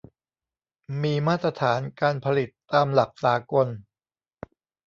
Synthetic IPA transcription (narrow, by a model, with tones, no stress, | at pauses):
miː˧maː˥˩t̪ɾa˧t̪ʰaː˩˦nkaː˧npʰa˧li˨˩t̪ːaː˧mla˨˩k̚saː˩˦ko˧n